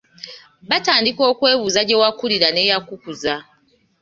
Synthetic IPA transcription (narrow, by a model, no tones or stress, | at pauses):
βataːndikoːkwe̞ːβuzaɟewakuliɾanejakukuza